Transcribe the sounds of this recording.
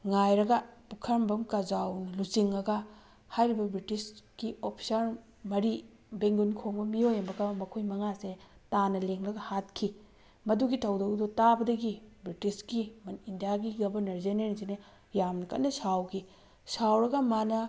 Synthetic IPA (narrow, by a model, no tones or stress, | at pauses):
ŋajɾɐɡɐpukʰɐɾmbɐmkɐzawnɐlusiŋɐɡɐ | hajɾibɐbɾitiskiopʰi̥sɐɾ | mɐɾi | beŋɡunkʰoŋbɐmiojɐmbɐɡɐmɐkʰojmɐŋasetanɐleŋlɐɡɐhat̚kʰi | mɐduɡitʰɐwdɐwdɔtabɐdɐɡibɾitisɡimɐnindijaɡiɡɐbɐnɐɾzeneɾisinɐ | jamnɐkɐ̰tnɐsawkʰi | sawɾɐɡɐmanɐ